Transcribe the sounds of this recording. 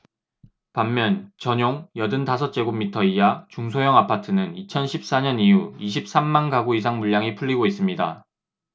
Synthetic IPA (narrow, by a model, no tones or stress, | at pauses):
pamːjʌnt͡ɕʌɲoŋjʌdɯntasʰʌt͡ɕ͈e̞ɡomːitʰʌijat͡ɕuŋsʰojʌŋapʰatʰɯnɯnit͡ɕʰʌnɕʰip̚s͈aɲʌniuiɕ̬ʰip̚s͈amːanɡaɡuisʰaŋmuʎjaŋipʰuʎːiɡois͈ɯmɲida̰